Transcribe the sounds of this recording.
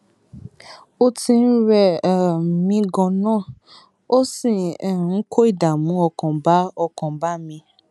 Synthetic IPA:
o˦tĩ˧n̩˦ɾɛ˦˨mĩ˧ɡɔ̃˨nãː˦˨ | o˦sĩ˨ɛ˨ɾ̃ũ˨˦kʰo˦i˦˨da˨mũ˨˦ɔ˧kɔ̃˨ba˦ɔ˧kɔ̃˨ba˦mĩ˧

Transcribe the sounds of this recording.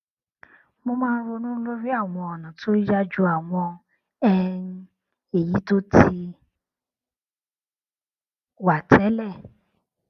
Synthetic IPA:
mo˧mãː˦˧n̩˦ɾo˧nũ˦lo˦ɾi˦a˦˨w̃ɔ̃˧ɔ˨nã˨to˦i˦d͡ʒa˦d͡ʒu˦a˨w̃ɔ̃˧ | ɛ˦˧˦ | e˨ji˨˦to˦tʰi˧ | wa˨tʰɛ˨˦lɛ˦˨

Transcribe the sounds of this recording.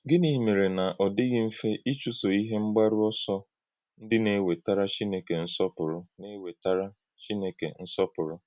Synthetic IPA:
ɡɪ˦ni˨me˨ɾe˨na˨ʔɔ˨dɪ˦ɡɪ˦m̩˦fe˦ʔi˦t͡ʃu˦so˨i˦ɦe˦ŋ͡m̩˦ɡ͡ba˦ɾʊ˦ɔ˦sɔ˦ | n̩˦dɪ˦ne˦we˨ta˦ɾa˦t͡ʃi˦ne˦ke˨n̩˦sɔ˦pʊ˨ɾʊ˦ne˦we˨ta˦ɾa˦ | t͡ʃi˦ne˦kḛ˨n̩˦sɔ˦pʊ˨ɾʊ˦

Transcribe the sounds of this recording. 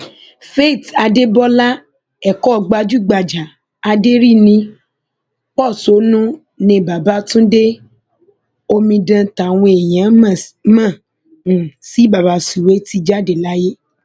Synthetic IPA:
fe˦˨ta˧de˦bɔ˦la˦ | ɛ˨kɔ˦˧ɡ͡ba˧d͡ʒu˦˨ɡ͡ba˨d͡ʒa˨ | a˧de˦ɾi˦˨nĩ˧˦ | k͡pɔ˦˨so˨˦nũ˦ | nĩ˧ba˨ba˨˦tũ˦de˦ | o˧mĩ˧dã˧ta˨w̃ɔ̃˧e˨j̃ã˨˦˨mã˦˨ | si˨˦ba˨ba˨˦si˨we˨˦ti˧d͡ʒa˦˨de˨la˦je˦

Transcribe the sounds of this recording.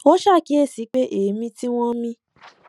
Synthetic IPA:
o˦ʃa˦˨ki˨˦e˦˨si˨˦k͡pe˦ʔe˨˦mĩ˧ti˦w̃ɔ̃˦mĩ˧

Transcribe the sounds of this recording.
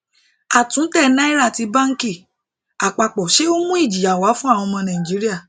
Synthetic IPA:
a˨tũ˨˦tɛ˦˨nã˦i˦ɾa˦˨ti˧ba˦ŋ̩˦ki˦˨ | a˨k͡pa˨k͡pɔ˨ʃe˦o˦mũ˦i˦˨d͡ʒi˨ja˨wa˨˦fũ˦a˦˨wɔ̃˧mɔ̃˧nã˨ĩ˨d͡ʒi˨˦ɾi˦a˦˨

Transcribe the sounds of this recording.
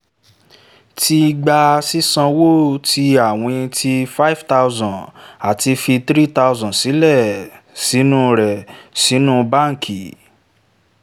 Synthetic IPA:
ti˧ɡ͡ba˧si˦sã˧wo˦tʰi˧a˦˨w̃ɔ̃˧ti˧fa˦i˦fta˧u˧zɔ̃˨a˨ti˧fi˧t̪ɾi˦ta˧u˧zɔ̃˨si˨˦lɛ˦˨ | si˨˦nũ˦ɾɛ˨si˨˦nũ˦ba˦˨ŋ̩˨kʰi˨

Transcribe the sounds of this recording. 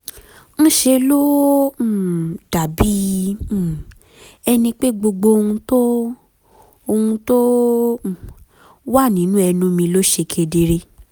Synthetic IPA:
ñ̩˦ʃe˧lo˦˨ | d̥a˨bi˦˨ | ɛ˧nĩ˧k͡pe˦ɡ͡bo˧ɡ͡bo˧o˧hũ˧to˦ | o˧hũ˧to˦˨ | wa˦˨nĩ˨˦nũ˦ɛ˧nũ˦mĩ˧lo˦ʃe˧kʰe˧de˧ɾe˧˦

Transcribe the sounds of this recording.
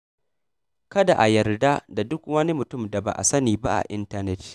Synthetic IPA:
kɐ˦da˨ʔa˨jɐ˨rda˦da˨dʊ˦kwɐ˦ni˦mʊ˨tʊ˦mda˨ba̰˨ʔa̰˨sɐ˦niː˨ba̰˦ʔa̰˨ʔɪ˦ntɐ˦nɛ˦t

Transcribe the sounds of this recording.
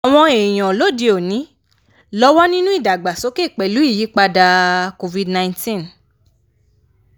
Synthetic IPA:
a˨w̃ɔ̃˧e˨j̃ɔ̃˨lo˨˦˨de˧o˨nĩ˨˦ | lɔ˦wɔ˦nĩ˦nũ˦i˦˨da˨ɡ͡ba˨so˨˦ke˦˨k͡pɛ˨lu˨˦i˦˨ji˨˦k͡pa˧da˧ko˧vi˧dnã˧ĩ˧tĩ˦n

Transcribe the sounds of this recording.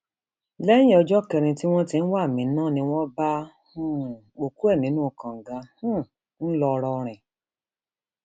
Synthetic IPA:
lɛ̃˦ĩ˦ɔ˧d͡ʒɔ˦kɛ˧ɾ̃ĩ˧ti˦w̃ɔ̃˦tĩ˧n̩˦wa˦˨mĩ˨˦nãː˦˨nĩ˧w̃ɔ̃˦bã˦˨ | o˨ku˦ɛ˦˨nĩ˨˦nũ˦˨kã˨ŋ̩˨ɡa˧˦hũ˦ | n̩˦lɔ˧ɾɔ˧ɾ̃ɛ̃˨

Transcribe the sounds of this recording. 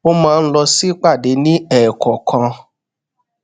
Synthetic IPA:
o˦mãː˦˧n̩˦lɔ˧si˦k͡pa˦˨de˨˦nĩ˦ɛː˦˨kʰɔ˨kʰã˧

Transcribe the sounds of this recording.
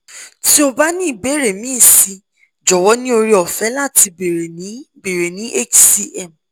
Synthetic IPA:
ti˦o˧ba˦nĩ˦i˨be˨˦˨ɾe˨mĩː˦˨si˨˧ | d͡ʒɔ˨wɔ˦nĩ˦o˧ɾi˦ɔ˨fɛ˨˦la˦˨ti˧be˨ɾe˨nĩ˨˦be˨ɾe˨nĩ˨˦ʔe˦˨t͡ʃsi˧ɛ˦˨m

